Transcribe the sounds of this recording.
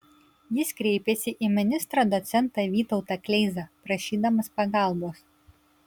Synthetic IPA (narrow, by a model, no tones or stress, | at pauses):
jɪskɾʲɛɪpʲeːsʲɪʔimʲɪnʲɪst̪ɾɐd̪ɔt̪sʲɛnˑt̪ɑʋʲiːt̪ɒʊt̪ɐklʲɛɪzɑːpɾɐʃʲiːd̪ɐmɐspɐɡɑˑlˠboːs